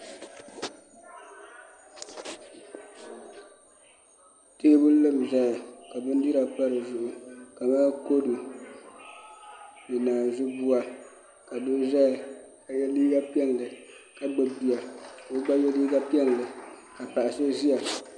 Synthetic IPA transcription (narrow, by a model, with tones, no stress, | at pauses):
teː˦bʊ˦n˦lɨ˦m˨za˦a˨ka˨bɨ˦n˦di˦ɾa˨pa˦ɾɨ˨zʊ˦ʔʊ˨ka˨maː˦ko˦du˨ | nɨ˨naː˨zʊ˦bu˦a˦ | ka˨dʊ˦za˦˨ | ka˨jɛ˦liː˦ɡa˦pi˦ɛ˦ŋ˨lɨ˨ | ka˨ɡ͡bɨ˨bi˨a˨o˦ɡ͡ba˦jɛ˦liː˦ɡa˦pi˦ɛ˦ŋ˨lɨ˨ | ka˨pa˨ʔa˨sɨ˦zi˦a˨